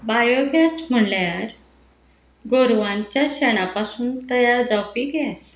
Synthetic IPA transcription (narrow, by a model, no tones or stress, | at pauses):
bajoɡjasm̤əɳljaɾ | ɡoɾʋãnt͡ɕjaɕɛɽ̃apasuːnt̪əjaɾd͡zawpiɡjɛs